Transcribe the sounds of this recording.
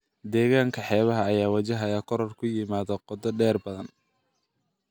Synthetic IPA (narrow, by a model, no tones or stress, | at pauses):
d̪ɛːɣaːŋkʰɐħɛːβɐɦɐːjaːwɐt͡ʃɐɦɐjaːkʰɔɾɔrkʰʊjɪmaːðɐqɔd̪ɐɖɛːrbɐðɐn